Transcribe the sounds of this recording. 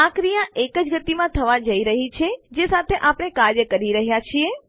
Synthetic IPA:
ãkɾijãʔekəd͡ʒɡət̪imãt̪ʰəʋad͡ʒəiɾəɦit͡ʃʰed͡ʒesat̪ʰeʔapɽ̃ekaɾɾjəkəɾiɾəɦjat͡ʃʰie

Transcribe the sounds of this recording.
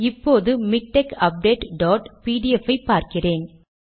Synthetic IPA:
ɪpːoːðɯmɪk̚ʈːɛkɐp̚ɖeːʈɖoːʈpiːɖɪɛfɐɪpːaːɾkɪreːn

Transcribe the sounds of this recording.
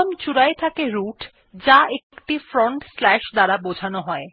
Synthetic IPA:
omt͡ɕuɾaet̪ʰakeɾuʈ | d͡ʑaekʈifɾoɳʈslɛʃd̪aɾabod͡ʑʱanoɦɔe

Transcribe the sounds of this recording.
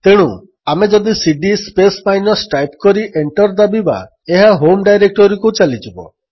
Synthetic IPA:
t̪eɽ̃u | amed͡ʒɔd̪isiɖispesmajnɔsʈajpkɔɾiʔeɳʈɔɾd̪abiba̰ | eɦaɦomɖajɾek̚ʈɔɾikut͡ʃalit͡ʃibɔ̰

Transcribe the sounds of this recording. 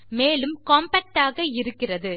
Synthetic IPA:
meːlɯmkoːmbɐk̚ʈaːɣɐɪɾɯkːɪrɐðɯ

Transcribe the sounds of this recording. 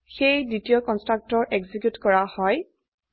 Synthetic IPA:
xejditijɔkɔnstɹak̚tɔɹʔeɡzikjutkɔɹahɔj

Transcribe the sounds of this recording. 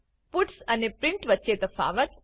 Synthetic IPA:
pʊʈsənepɾɪ̃ɳʈʋətːʃet̪əfa̰ːʋət̪

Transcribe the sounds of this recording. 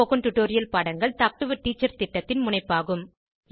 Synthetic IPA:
oɣɯnʈʊʈːoːɾɪjɐlpaːɽɐŋɡɐɭt̪aːk̚ʈɯʋɯʈːiːt͡ʃːɐɾt̪ɪʈːɐt̪ːɪnmʊnɐɪpːaːɣɯm

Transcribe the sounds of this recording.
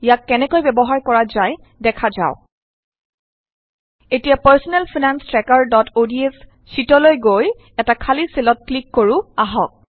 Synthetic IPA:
jakːɛnɛkojbɛbɔɦaɹkɔɹazaj | dɛkʰaza̰ʊ | etijapəɹsɔnɛlpʰinanstɹɛkaɹdɔtʰodies | sitɔlojɡoj | ɛtakʰaliselɔt̚klikːoɹuaɦɔk̚

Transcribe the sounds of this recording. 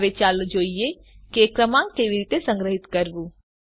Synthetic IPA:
ʋet͡ʃaːld͡ʒoːie | kekɾəmãkeʋiɾit̪esə̃ŋɡɾəɦɪt̪kəɾbu

